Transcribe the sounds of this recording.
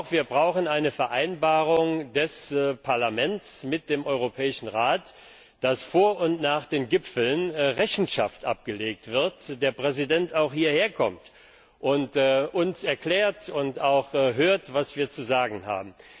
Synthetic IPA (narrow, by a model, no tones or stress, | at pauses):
ʊxv̥iːɐbʁaʊxənaɪnəfɛɐʔaɪnbaːʁʊŋdɛspʰaɐlamɛnt͡smɪt̚d̥eːmʔɔʏʁopʰɛːɪʃn̩ʁaːt | d̥asfoːɐʔʊntnaːχd̥eːnɡɪpfl̩nʁɛçn̩ʃa̰ftʔa̰p̚ɡ̥əleːk̚tv̥ɪɐtd̥eːɐpʁ̥ɛzidɛntaʊxhiːɐheːɐkʰɔ̰mt | ʔʊntːʔʊnsɛɐklɛːɐtʊntaʊxɦøːɐtv̥asv̥iːɐt͡suzaːɡŋ̩ha̰ːbm̩